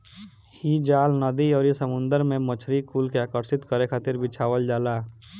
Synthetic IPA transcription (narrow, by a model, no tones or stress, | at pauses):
hid͡ʒaːlnəd̪iɔːɾisəmʊ̃nd̪əɾmẽmət͡ʃʰɾikuːlkeaːkəɾsɪt̪kəɾekʰat̪ɪɾbɪt͡ʃʰaːwəld͡ʒaːlaː